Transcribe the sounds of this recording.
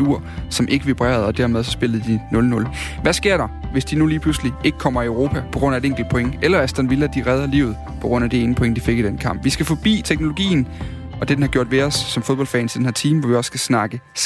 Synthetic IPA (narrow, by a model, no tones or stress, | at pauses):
uɐ̰sɒ̽mʔe̝ɡ̥əʋib̥ʁɛ̰ːɐð̩ˠɒ̽d̥æɐmeð̞ˠsɒ̽sb̥e̝lð̩ˠd̥inɔ̽lnɔ̽l | ʋæsɡ̥e̝ɐ̰ɾ̥ɑ̈ʋe̝sd̥inuliːpʰlusliʔe̝ɡ̥ə̥kʰɒ̽m̰ɐiøʊʁo̝ːpʰæpʰɒ̽ɡ̥ʁɔ̽n̰ædeeŋ̰ɡl̩d̥̚pʰo̽e̝ŋəʔelɐæsd̥ɒnʋilɐd̥iʁɛð̞ˠɐlḭʊð̞̩ˠpʰɒ̽ɡ̥ʁɔ̽n̰æd̥e̝e̝ːnəpʰo̽e̝ŋəd̥ife̝ɡ̥id̥enkʰɑ̈m̰b̥ʋisɡ̥æfɒ̽b̥ḭːt͡sʰeɡ̥no̝lo̝ɡ̥ḭːn̩ | ɒ̽d̥e̝d̥enhɑ̈ɡ̥jo̝ɐ̰d̥ʋe̝ɒ̽sːɒ̽mfo̝ðˠbɒ̽lfɛ̰ːnsi̥d̥enhɛɐt͡sʰiːməʋɒʋiɒ̽sːɡ̥æsnɑ̈ɡ̥ə | s